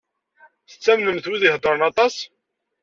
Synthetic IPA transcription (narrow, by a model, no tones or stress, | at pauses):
θə̥t͡sːæmnəmθwiðiɦd̪ˤːɾˤənɑt̪ˤɑs